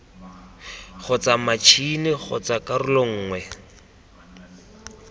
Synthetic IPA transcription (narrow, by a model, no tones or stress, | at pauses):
χʊt͡samat͡ʃʰinɪɣʊ̰t͡sakarʊloŋ̩ːŋwɛ